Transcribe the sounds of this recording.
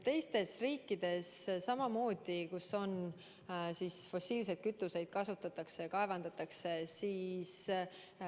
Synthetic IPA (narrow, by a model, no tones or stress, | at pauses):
t̪e̞jst̪e̞sriːkːid̪̥e̞sːɑmɑmo̞ːd̪̥ikuso̞n | sisfo̞siːls̬ed̪̚kyt̪ːˑuse̞jd̪̥̚kɑsut̪ːˑɑt̪ːˑɑksejɑkɑe̞vɑnd̪̥ɑt̪ːˑɑkse̞siːs